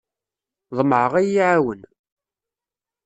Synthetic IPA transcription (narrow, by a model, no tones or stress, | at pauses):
ðˤmʕəʁæjiʕawən